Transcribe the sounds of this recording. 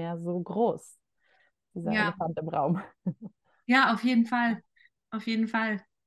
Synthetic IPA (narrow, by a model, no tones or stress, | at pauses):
jazoːɡʁoːs | d̥iːzajaəfantɪmʁa̰ʊm | jaːaʊfjeːdn̩fal | ʔaʊfjeːdn̩fal